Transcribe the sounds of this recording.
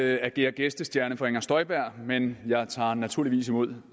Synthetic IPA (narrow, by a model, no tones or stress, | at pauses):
æɡ̥e̝̰ːɐɡ̥esd̥əsd̥jæɐnəfɒeŋɐsd̥ɒ̽ɪb̥æɐ̰menjɑ̈ɪt͡sʰɑ̰̈ːnæt͡sʰuɐ̰liʋḭːs̬imo̝ð̞̰ˠ